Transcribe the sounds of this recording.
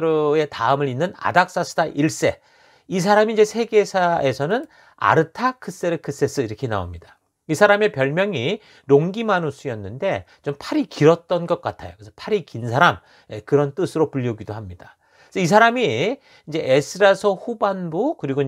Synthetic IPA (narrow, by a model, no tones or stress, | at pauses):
ɾoe̞taɯmɯɾinːɯna̰dak̚s͈asʰɯ̥daʔiɭs͈e̞ | is̬ʰaɾamiːnd͡ʑe̞sʰe̞ɡe̞sʰae̞sʰʌnɯn | a̰ɾɯtʰakʰɯs͈e̞ɾɯkʰɯs͈es͈ɯiɾʌkʰe̞na̰o̰mɲida | isʰaɾame̞pjʌɭmjʌŋi | ɾoŋɡimanosʰujʌnːɯnde̞ | t͡ɕompʰaɾikiɾʌt̚t͈ʌnɡʌk̚k͈atʰajo̰kesʰʌpʰaɾikinsʰaɾam | jekɯɾʌnt͈ɯsʰɯɾopuʎːʌɡidoɦamɲid̥a | sʰʌis̬ʰaɾami | nd͡ʑe̞ʔesʰɯɾasʰʌhubanbukɯɾiɡo